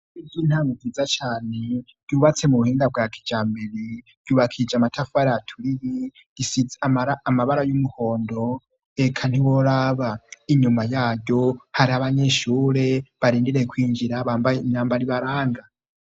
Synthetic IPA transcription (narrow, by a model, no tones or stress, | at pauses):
iɟiːn̥haŋɡuvizat͡ʃaːne̞ | d̥juːβat͡se̞muβuhiːŋdab̚ɡakʰi̥d͡ʒaːmbeɾi | d̥juːβakʰid͡ʒamatʰafuaɾaatʰuɾiβi | ɡ̥isiaaɾaːmaβaɾajumuho̞ːndo̞ | ekʰan̥iwoɾaβaiɲumajaːjɟo̞haɾiaβaɲeʃuːɾe̞βaɾiːndiɾekwiːɲd͡ʒiɾaβabaɲaːmbaɾiβaɾaːŋɡa